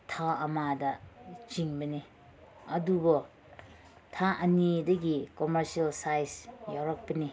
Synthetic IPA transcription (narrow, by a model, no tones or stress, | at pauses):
tʰaɐmadɐt͡ʃiŋbɐni | ɐdubɔ | tʰaʔɐnidɐɡikomeɾsialsajsjawɾɐk̚pɐni